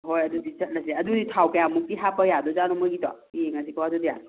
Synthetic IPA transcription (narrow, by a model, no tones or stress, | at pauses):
ɦojɐdudisət̚ləsleɐduditʰawkajamuk̚tiɦapəjadɔzanɔmɔɡitɔ̰ | iŋas̬ikɔwadudija